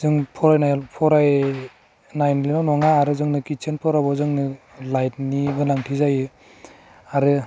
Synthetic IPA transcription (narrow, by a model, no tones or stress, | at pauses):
zɯŋpʰɔɾajnajpʰɔɾaj | najnlinanɔŋaːɾɯzɯŋnɯkit͡ʃʰenpʰɔɾabɔzɯŋnɯ | lajt̚niɡɯnaŋtʰizajɯ | aɾɯ